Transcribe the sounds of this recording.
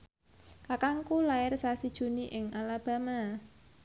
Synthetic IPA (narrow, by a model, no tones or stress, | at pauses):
kakaŋkulaɪrsasid̥ʒ̥ṳniʔɪŋalab̥a̤ma